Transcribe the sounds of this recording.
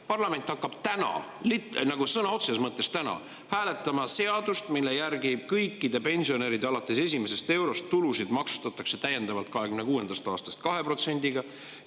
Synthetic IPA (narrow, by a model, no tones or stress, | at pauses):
pɑrlɑme̞nʲt̪ˑhɑkːɑb̥t̪ænɑ̰ | linɑɡ̥usɤnɑo̞t̪seɑsmɤt̪ˑːe̞st̪ænɑ̰ | hæːle̞t̪ːˑɑmɑse̞ɑd̪̥ust̪milːe̞jærɡib̥̚kɤjkːid̪̥epe̞nʲsio̞ne̞ːɾid̪̥ɑlɑt̪ːˑe̞se̞s̬ʲime̞se̞st̪e̞wɾo̞st̪ːulusid̪mɑksu̥t̪ɑt̪ːˑɑkse̞t̪æjːe̞nd̪̥ɑvɑlt̪̚kɑɦe̞kymne̞kuːe̞nd̪̥ɑst̪ɑːst̪ɑ̥st̪̚kɑɦe̞pro̞t̪se̞nʲd̪̥iɡ̥ɑ